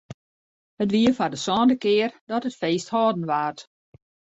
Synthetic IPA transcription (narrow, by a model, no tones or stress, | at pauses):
hətʋiəfadəsɔːndəkɪːərdɔtətfeːsthɔːdən̩ʋaːrt